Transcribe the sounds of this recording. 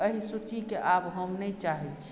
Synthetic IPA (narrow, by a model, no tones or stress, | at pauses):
əɦisut͡ʃikeʔabɦəmnɛt͡ʃaɦɛt͡ʃʰ